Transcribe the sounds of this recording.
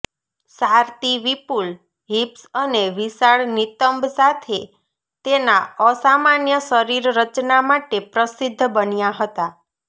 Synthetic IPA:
saɾt̪iʋipul | ɦipsəneʋisaɭnit̪əmbsat̪ʰe | t̪enaəsamanjəsəɾiɾːət͡ʃnamaʈepɾəsid̪ʱːbənjaɦət̪a

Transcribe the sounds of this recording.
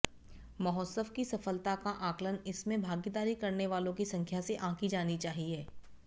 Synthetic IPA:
mɐɦɔːsəfkisɐfəlt̪akaʔãːklənɪsmẽbʱaːɡid̪aːɾikɐɾneʋaːlõkisɐ̃ŋkʰjaseʔãːkid͡ʒaːnit͡ʃaːɦieː

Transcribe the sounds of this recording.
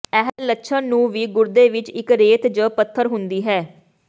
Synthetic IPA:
ɛɦəllətːʃʰãnũːʋiːɡʊɾd̪eːʋɪt͡ʃɪkɾeːt̪d͡ʒəpət̪ʰːəɾɦʊnd̪iːɦɛː

